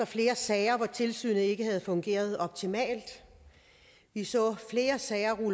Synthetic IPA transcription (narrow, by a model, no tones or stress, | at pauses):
ɐfle̝ːɐsɛɪɐʋɒt͡sʰe̝lsy̰ːnəe̝ɡ̥əhæð̞̩ˠfɔ̽ŋɡ̥e̝̰ːɐð̞ˠɒ̽b̥̚t͡sʰimɛ̰ːld̥ | ʋisɔ̰̽ːfle̝ːɐsɛɪɐʁu